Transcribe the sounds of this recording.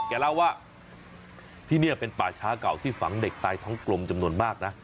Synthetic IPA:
kɛː˧˩la˥˩wːaː˥˩ | t̪ʰiː˥˩ni˥˩ɐpe˧npaː˨˩t͡ɕʰaː˦˥ka˨˩wt̪ʰiː˥˩fa˩˦ŋde˨˩k̚t̪aː˧jt̪ʰɔː˦˥ŋklo˧mt͡ɕa˧mnu˧ənmaː˥˩k̚na˦˥

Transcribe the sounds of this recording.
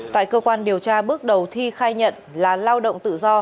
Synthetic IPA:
t̪a̰ː˧˨jkəː˧kwaː˧nɗi˨˩əwt͡ɕaː˧ɓɨ˦˥ək̚ɗə˨˩wt̪ʰi˧xaː˧jɲə̰˧˨nlaː˨˩laː˧wɗo̰˧˨wŋ͡mt̪ɨ̰˧˨zɔ˧

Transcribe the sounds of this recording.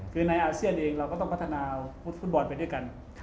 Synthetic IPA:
kʰɯː˧na˧jʔaː˧si˥˩ənʔeː˧ŋɾa˧wkɔː˥˩t̪ɔ˥˩ŋpʰt̪ʰːnaː˧f̚fu˦˥t̪̚bɔː˧npa˧jdu˥˩˨jka˧n

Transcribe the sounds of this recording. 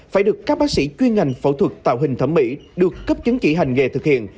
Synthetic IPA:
faː˧˩jɗɨ˨˩əkːaː˦˥k̚ɓaː˦˥k̚sḭ˧˥t͡ɕwi˧nŋa˨˩jŋ̟fə̰˧˩wt̪ʰwə˨˩k̚t̪a̰ː˧˨wɦï˨˩ŋ̟t̪ʰə˧˩mḭ˧˥ɗɨ˨˩əkːə˦˥p̚t͡ɕə˨˦ŋt͡ɕḭ˧˥ɦa˨˩ŋ̟ŋe˨˩t̪ʰɨ˨˩k̚hḭ˧˨ən

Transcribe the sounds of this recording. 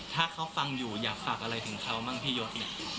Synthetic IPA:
t̪ʰaː˥˩kʰa˦˥wfa˧ŋjuː˨˩jaː˨˩k̚faː˨˩k̚ʔa˧ɾa˧jt̪ʰɯ˩˦ŋkʰa˦˥wmaː˥˩ŋt̪ʰiː˥˩joː˦˥t̪̚i˨˩

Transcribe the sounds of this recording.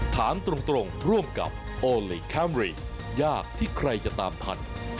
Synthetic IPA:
t̪ʰaː˩˦nt̪ɾo˧ŋt̪ɾo˧ŋɾu˥˩əmka̰˨˩p̚ | ʔoː˧liː˨˧˩kʰɛ˦˥˩mɾiː˧˩ | jaː˥˩k̚t̪ʰiː˥˩kʰɾa˧jt͡ɕa˨˩t̪aː˧mt̪ʰa̰˧n̚

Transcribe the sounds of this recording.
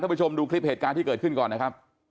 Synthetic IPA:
a˥˩pu˧˥t͡ɕʰo˧mduː˧kʰli˦˥p̚he˨˩t̪̚kaː˧nt̪ʰiː˥˩kɤː˨˩t̪̚kʰɯ˥˩nkɔː˨˩nːa˦˥kʰa˦˥p̚

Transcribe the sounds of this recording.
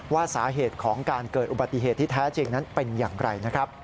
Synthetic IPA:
waː˥˩saː˩˦ɦeː˨˩t̪̚kʰɔː˩˦ŋkaː˧nkɤː˨˩t̪̚ʔu˨˩ba˨˩t̪ːi˨ɦeː˨˩t̪ʰːiː˥˩t̪ʰɛː˦˥t͡ɕe˧ŋna˦˥npe˧njaː˨˩ŋɾa˧jna˦˥kʰɾa˦˥p̚

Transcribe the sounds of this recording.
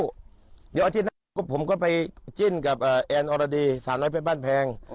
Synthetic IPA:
di˨˦ʔa˧t̪iː˥˩na˥˨kɔ˥˩pʰo˩˦mkɔ˥˩pa˧jt͡ɕi˥˩nka˨˩p̚ʔɤː˨˩ʔɛː˧nʔɔː˧ɾa˧diː˧saː˨˩˦mnɔː˦˥pʰe˦˥˩baː˥˩npʰɛː˧ŋ

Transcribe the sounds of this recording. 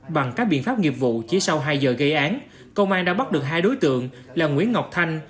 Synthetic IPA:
ɓa˨˩ŋkaː˦˥k̚ɓḭ˧ənfaː˦˥p̚ŋi˨˩əp̚vṵ˧˨t͡ɕi˧˦sa˧wɦaː˧jzəː˨˩ɣə˧jʔaː˨˦n | kə˧wʔaː˧nɗa̰ː˧˥ɓa˦˥t̚ɗɨ˨˩ək̚ɦaː˧jɗo˨˦jt̪ɨ̰˧˨əŋ | laː˨˩ŋwḭ˧˥ənŋa˨˩wk͡p̚t̪ʰa˧jŋ̟

